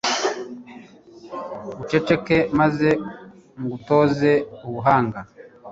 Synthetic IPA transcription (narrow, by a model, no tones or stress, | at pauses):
βut͡ʃe̞t͡ʃe̞ke̞maze̞ | ŋɡuto̞ːze̞uβuɦaːŋɡa